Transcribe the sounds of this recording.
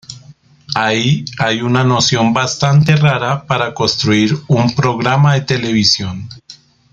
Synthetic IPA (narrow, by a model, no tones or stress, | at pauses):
aiajunano̞sjo̞mbast̪ant̪e̞raɾapaɾako̞nst̪ɾuiɾumpɾo̞ɣɾamaðe̞t̪e̞le̞β̞isjo̞n